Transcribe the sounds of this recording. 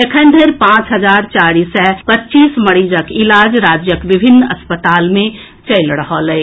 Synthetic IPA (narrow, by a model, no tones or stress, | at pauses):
ekʰənd̪ʱeɾpãt͡ʃɦəd͡ʒaɾt͡ʃaɾisɛpətːt͡ʃisməɽid͡ʒəkilad͡ʒɾad͡ʒjəkʋibʱinːə̰spət̪almẽ | t͡ʃəɪlɾəɦəlɛ